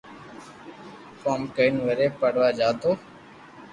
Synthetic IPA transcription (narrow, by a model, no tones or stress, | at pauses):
koːmkəɪnʋəɾeːpəɽʋaːd͡ʒaːt̪oː